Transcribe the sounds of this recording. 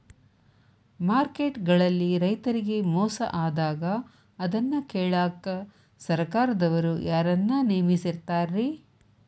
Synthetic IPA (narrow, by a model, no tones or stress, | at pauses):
maːɾkeːʈɡɐɭɐlːiɾɐjt̪ɐɾiɡe̞mɔːsɐ̰ʔaːd̪aːɡɐː | d̪ɐnːɐkeːɭaːkɐ | sɐɾkaːɾɐd̪ɐʋɐɾujaːɾɐnːɐneːmisiɾt̪aːɾi